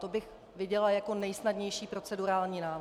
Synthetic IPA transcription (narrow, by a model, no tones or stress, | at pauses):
t̪obɪx | vɪɟɛlajako̞nɛjsnadɲɛjʃiːpɾo̞t͡sɛduɾaːlɲiːnaː